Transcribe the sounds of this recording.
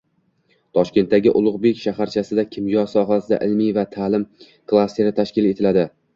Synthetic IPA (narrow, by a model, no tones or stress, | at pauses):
t̪ʰɒʃkʲe̞nt̪ːaɡʲɪʔʊlˠʊʁbe̞kʲʃahaɾt͡ʃʰasɪd̪akʲʰɪmjɒsɒɦasɪd̪a̰ʔɪlmijvat̪ʰalɪm | kʰlˠast̪ʰe̞ɾɪt̪ʰaʃkʲɪle̞t̪ʰɪlad̪ɪ